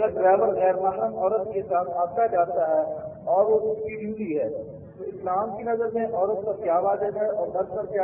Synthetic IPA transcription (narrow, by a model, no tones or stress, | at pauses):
ɐɡəɾɖɾɛːʋəɾɣɛːɾmaːɦɾəmɔːɾət̪kesaːt̪̚ʰɦaːbt̪ad͡ʒaːt̪aɦɛ | ɔːɾʋoskiɖjuːliɦɛː | t̪oɪslaːmkinɐzəɾmẽʔɔːɾəp̚ːɐɾkjaːʋaːd̪ədɦɛʔɔːɾbɐɾkəɾkja